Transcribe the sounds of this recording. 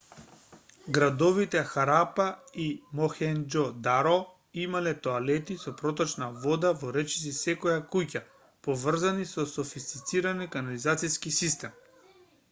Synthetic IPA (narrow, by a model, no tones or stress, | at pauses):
ɡɾad̪ɔvit̪ɛxaɾapaimɔxɛnd͡ʒɔd̪aɾɔ | imalɛt̪ɔalɛt̪isɔpɾɔt̪ɔt͡ʃnavɔd̪avɔɾɛt͡ʃi̥s̬isɛkɔjakuca | pɔvr̩zanisɔsɔfist̪it̪siɾanɛkanalizat̪siskisist̪ɛm